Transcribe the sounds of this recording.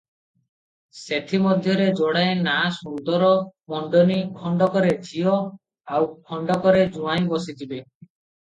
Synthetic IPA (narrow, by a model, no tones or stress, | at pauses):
set̪ʰimɔd̪ʱjɔɾed͡ʒɔɽaenasuɾd̪ɔɾɔmɔɳɖɔnikʰɔɳɖɔkɔɾet͡ʃʰiɔ | awkʰɔɳɖɔkɔɾed͡ʒũaj̃bɔsid͡ʒ̪ibe